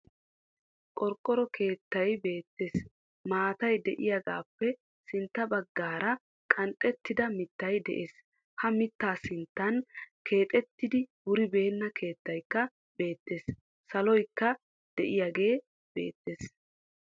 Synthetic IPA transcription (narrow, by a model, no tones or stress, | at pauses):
kʼɔɾkʼːɔɾɔkʰe̞ːt̪ːɐjbe̞ːt̪ːe̞ːs | maːt̪ɐjd̪ɛʔɪjaɡa̰ːpːɛ | sɪnt̪ːɐbɐɡːaːɾɐ | kʼɐnt̪ʼːɛt̪ːɪd̪ɐmɪt̪ːɐjd̪ɛ̰ʔeːs | hɐmɪt̪ːaːsɪnt̪ːɐnkʰe̞ːt̪ʼɛt̪ːɪd̪ɪwʊɾɪbe̞ːnːɐkʰe̞ːt̪ːɐjkːɐ | be̞ːt̪ːeːs | sɐlɔjkːɐ | d̪̥ɛʔɪjaɡe̞ː | b̥e̞̰ːt̪ːeːs